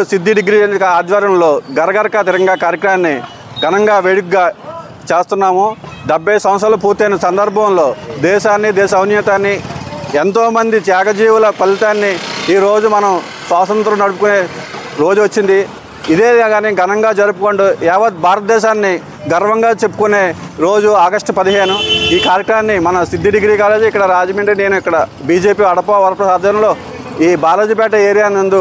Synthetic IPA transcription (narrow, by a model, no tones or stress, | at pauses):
sid̪ʱːiɖiɡɾikɐaːd̪ʋaːɾɐɐmlo̞ːɡɐɾɐɡɐɾɐkat̪iɾɐŋɡaːkaːɾjɐkɾɐmaːnːi | ɡʱɐnɐŋɡaːʋeːɽukuɡaː | t͡ʃeːst̪unːaːmud̪ɐbːeːsɐ̃mɐst̪ɐlɐpuːɾt̪eːnɐsɐnd̪ɐɾbʱɐmlo̞ːd̪ɛːʃaːnːid̪ɛːʃɐɐʋnjɐt̪aːnːient̪o̞ːmɐnd̪it͡ʃ̪jaːkɐd͡ʒiːʋulɐpɐlːit̪aːnːiiːɾo̞ːd͡ʒumɐnɐm | sʋaːt̪ɐnt̪ɾɐmnɐɽupukuneːɾo̞ːd͡ʒuʋɐt͡ʃːind̪i | id̪e̞ːɡaːniɡɐnɐŋɡaːd͡ʒɐɾupukoɳɖuɛːʋɐt̪̚bʱaːɾɐt̪ɐd̪ɛːʃaːnːi | ɡɐɾɐʋɐŋɡaːt͡ʃe̞pːu̥kuneːɾo̞ːd͡ʒuaːɡɐʂʈpɐd̪iɦe̞ːnuiːkaːɾjɐkɾɐmaːnːimɐnɐsid̪ːiɖiɡɾiːkaːleːd͡ʒikːɐɽɐɾaːd͡ʒmiːɳʈɐne̞ːnuikːɐɽɐbiːd͡ʒe̞ːpiːɐɽɐpoːʋɐɾɐpɾɐsaːd̪ɐːɾɐmlo̞ː | iːbʱaːloːd͡ʒipɛːʈɐeːɾijaːnɐnd̪u